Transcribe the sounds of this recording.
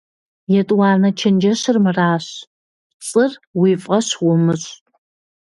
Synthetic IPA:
jɛtʼwɑːnɐt͡ʃʰɐnd͡ʒɐɕɪrmɨraːɕ | t͡sʼɨrwiːfʼɐɕwʊmɨɕʼ

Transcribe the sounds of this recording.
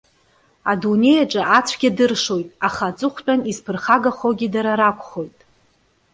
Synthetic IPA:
adune̞jaʈ͡ʂʼaʔat͡sʷʰɡʲadɨrʂo̞jtʼaχat͡sʼɨχʷt͡pʼanizpʰɨrχaɡaχoɡʲidaɾaɾakʷʰʼχo̞jtʼ

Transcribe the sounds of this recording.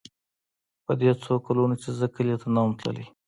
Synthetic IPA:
pəd̪et͡sokalunot͡ʃezəkəlet̪anamt̪lə̰li

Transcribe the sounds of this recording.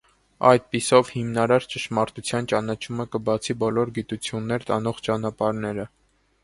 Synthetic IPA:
ɑ̰jd̪̚pisɔvhimnɑɾɑɾt͡ʃəʃmɑɾt̪ut͡sʰjɑnt͡ʃɑnɑt͡ʃʰuməkəbɑt͡sʰibɔlɔɾɡit̪ut͡sʰjunːɛɾt̪ɑnɔʁt͡ʃɑnɑpɑɾnɛɾə

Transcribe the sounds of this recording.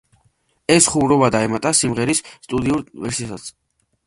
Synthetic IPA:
ɛsχumɾɔbad̪aɛmat̪ʼasimʁɛɾisːt̪ʼud̪iuɾvɛɾsisat̪sʰ

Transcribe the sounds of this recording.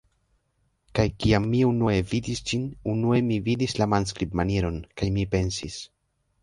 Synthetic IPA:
kajkiamːiunue̞vidisd͡ʒinunue̞mividislamans̬kɾipmaneɾo̞nkajmipe̞nsis

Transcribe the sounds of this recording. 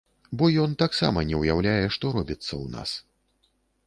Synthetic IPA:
bɔjɔnt̪aksa̰mɐnʲɛwjawlʲajɛʂt̪ɔɾɔbʲit̪sːɐwna̰s

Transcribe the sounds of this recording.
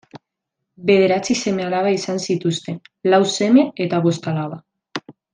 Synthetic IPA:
be̞ð̞e̞ɾat͡sise̞me̞alaβaisansit̪ust̪e̞lawse̞me̞et̪aβo̞st̪alaβa

